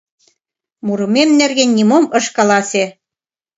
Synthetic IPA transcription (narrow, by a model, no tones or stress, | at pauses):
muɾɤ̆memnerɣenʲːimomɤ̆ʃkɑlɑsʲe